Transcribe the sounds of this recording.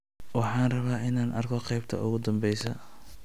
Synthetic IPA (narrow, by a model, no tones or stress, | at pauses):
wɑħɑːnrɐβaːʔɪnaːnʔɐrkʰɔqɛjbt̪ʰɐ̰ʔʊɣʊd̪ɐmbɛjsɐ